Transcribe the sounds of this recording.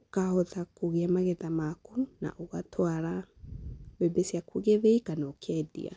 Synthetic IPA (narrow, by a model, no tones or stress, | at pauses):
kahɔtakoɣeɛmaɣɛtamakuna̰ʔoɣatʰwaɾa | βɛbesjakuɣeβeikanɔkʰɛdḭa̰